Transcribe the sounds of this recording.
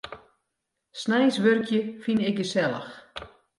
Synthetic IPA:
snɛjsʋørkʰjəfinɪkjəsɛlˠə̰x

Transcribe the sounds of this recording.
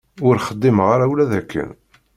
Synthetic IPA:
ʊɾχəd̪ːimʁaɾawlæðækʰːə̰n

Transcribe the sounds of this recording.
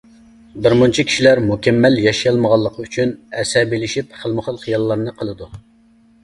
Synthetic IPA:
bɪɾmunt͡ʃʰikʲʰi̥ʃilæɾmukʲʰɛmːæljɑʃijɑlˠməʁɑlˠːəqʰəyt͡ʃʰynɛsɛbelɪʃipχəlˠmʊχəlˠχijɑlˠːɑɾnɨqʰəlˠɨd̪u

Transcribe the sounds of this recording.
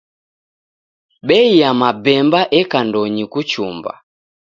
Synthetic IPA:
ɓɛijamabɛmbaʔɛkandɔɲikut͡ʃumba̰

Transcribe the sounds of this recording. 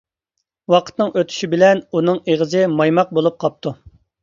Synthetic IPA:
wɑqʰə̥t̪nɨŋʔøt̪ʰy̥ʃibɪlɛnunɨŋeʁəzɪmɑjmɑq̚bolˠup̚qʰɑp̚t̪ʰu

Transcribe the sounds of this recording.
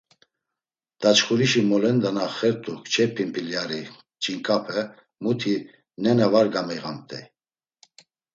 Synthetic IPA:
d̪̥at͡ʃχuɾiʃimɔlɛnd̪anaχɛɾt̪ʼukʰt͡ʃʰɛpʰimpʰiljaɾi | t͡ʃʼiŋkʰʼapʰɛ | mut̪ʰi | nɛnavaɾɡamɛʁamt̪ʰʼɛ̰

